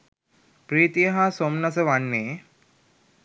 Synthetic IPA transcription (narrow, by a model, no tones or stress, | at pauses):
pɾiːt̪ijəɦasomnas̬əʋanːeː